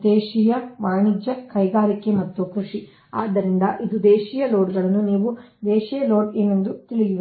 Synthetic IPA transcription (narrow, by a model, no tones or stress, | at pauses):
d̪eːʂijɐʋaːɳid͡ʒjɐkɐjɡaːɾikemɐt̪ːukɾuʂi | a̰ːd̪ːɐɾind̪ɐʔid̪ud̪eːʂiːjɐlo̞ːɖɡɐɭɐnːuniːʋud̪eːʂijɐlo̞ːɖeːnend̪ut̪iɭid̪iʋ